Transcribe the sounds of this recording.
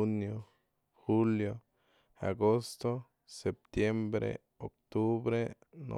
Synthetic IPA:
unjo | huljo | a̰ɡost̪o | sep̚t̪jembɾḛ | ok̚t̪ubɾe | no̰

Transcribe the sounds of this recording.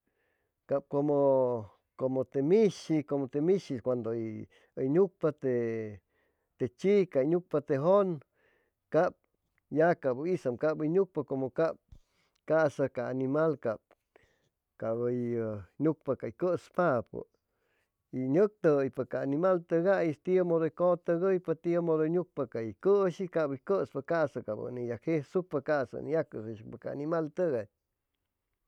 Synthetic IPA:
kap̚komo | komot̪emiʃikomot̪emiʃikʷand̪oi | əjɲuk̚pat̪e | t̪et͡ʃikaiɲuk̚pat̪eɦon | kap̚ | jakabisamkaʔbəjɲuk̚pakomokap̚ | kaʔsakaːnimalkab̚ | kabəjɲuk̚pakaikəspapə̰ | iɲək̚t̪əjpakaːnimalt̪əɡajist̪iemod̪okot̪əɡəjpat̪iəmod̪oɲuk̚pakaikəʃikabəkəspakasakabə̰nijakhehsuk̚pakasa̰nijakəseʃpakaa̰nimalt̪əɡaɲ

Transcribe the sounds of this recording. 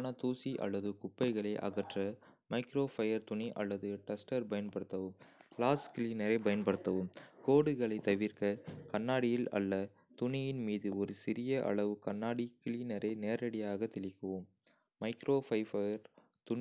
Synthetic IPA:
nɐt̪uːsiʔɐ̰lːɐðɯkʊpːɐɪɣɐɭɐɪʔɐ̰ɣɐʈrɐmɐɪkɾoːfɐjɐɾt̪ʊniʔɐ̰lːɐðɯʈɛsʈɐɾpɐjɐnpɐɽɯt̪ːɐʋɯmlaːskɪliːnɐɾɐɪpɐjɐnpɐɽɯt̪ːɐʋɯmkoːɽɯɣɐɭɐɪt̪ɐʋɪɾkɐkɐnːaːɽɪjɪlɐ̰lːɐ | t̪ʊnɪjɪnmiːðɯɔɾɯsɪɾɪjɐʔɐ̰ɭɐʋɯkɐnːaːɽikɪliːnɐɾɐɪneːɾɐɽɪjaːɣɐt̪ːɪlɪkːɐʋɯmː | ɐɪkɾoːfɐɪfɐjɐɾ | t̪ʊn

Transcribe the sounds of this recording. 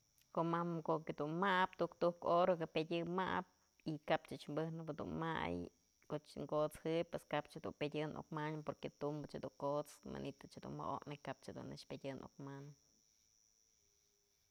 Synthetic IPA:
koʔmamkoʔked̪unmaʔpt̪ukt̪uhkoɾokɨpedʲɨmaʔp̚ | ikapt͡ʃɨt͡ʃmbɨhnɨbɨd̪ṵnma̰j | koʔt͡ʃŋkot͡shɨj̚pweskapt͡ʃhed̪unpedʲɨnʔo̰kmanpoɾket̪umbɨt͡ʃhad̪uŋkot͡sma̰nʔit̪ɨt͡ʃhed̪ṵnma̰ʔo̰ʔnɨjkap̚t͡ʃhed̪ṵnːɨt͡ʃpʲedʲɨnʔo̰kman

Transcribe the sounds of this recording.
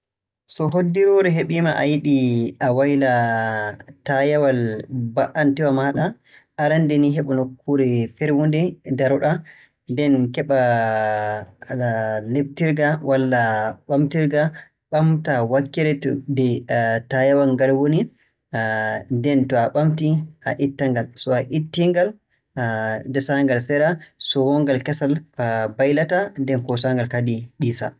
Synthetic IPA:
sɔɦodːiɾɔɾɛɦeɓimaʔa̰jiɗiawajla | tajawalbaʔantɛwamaɗa | ʔaɾandɛniɦeɓɔnokʰːuɾɛfɛɾwondɛdaɾɔɗa | ndɛnkɛɓa | leftiɾɡawalːaɓamtiɾɡa | ɓamtawakːiɾɛtdɛtajawaŋɡalwoni | dɛntɔaɓamtiaʔitːaŋɡalsɔaʔitːiŋɡal | dɛsaŋɡalsɛɾasɔwɔŋɡalkɛsalbajlatandɛnkɔsaŋɡalkadiɗiːsa̰

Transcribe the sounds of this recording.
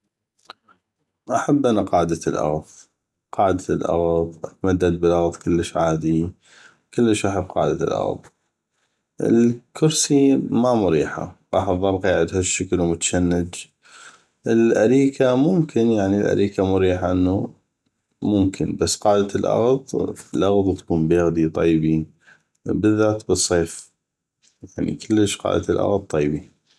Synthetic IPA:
ʔaħabːʔanaqɑːʕd̪alʔɑ̰ɣðˤ | qɑːʕd̪alʔɑ̰ɣðˤʔat̪mad̪ːad̪̚bɪlʔɑɣðˤkəlːəʃʕaːd̪i | kɪlːəʃʔaħabːqɑːʕd̪a̰lʔɑ̰ɣðˤ | ʔɪ̰lkʰʊɾsimamʊɾiːħa̰ɣɑːħɑðˤːɑɾˤqiːʕɪd̪haʃːaklwmʊt̪ḁʃanːɪd͡ʒ | ʔəɪlʔaɾiːkamʊmkʰɪnjaʕnilʔa̰ɾiːkamʊɾiːħaʔənːu | mʊmkʰɪnbasːqɑːʕd̪at̪lʔɑ̰ɣðˤfilʔɑɣðˤt̪ḁkuːmbeːɣd̪it̪ˤɑjbi | bəðːaːt̪bɨsˤːeːf | jaʕnḭkʰəlːəʃqɑ̰ːʕd̪at̪lʔɑ̰ɣðˤt̪ˤːɑjbi

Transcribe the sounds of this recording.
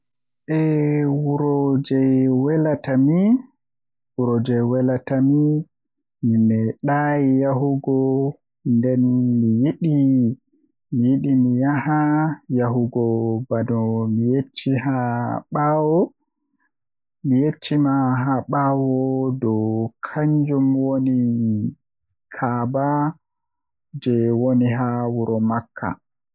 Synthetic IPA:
ʔɛwuɾɔd͡ʒɛjwɛlatami | wuɾɔd͡ʒɛjwɛlatami | mimɛɗajijaɦuɡɔ | ndɛnmijiɗi | mijiɗimijahajaɦuɡɔbadɔmijet͡ʃːiɦaɓawɔ | mijet͡ʃːimaɦaɓawɔdɔkʰaɲd͡ʒumwoni | kʰaːba | d͡ʒɛwoniɦawuɾɔmakʰːa̰

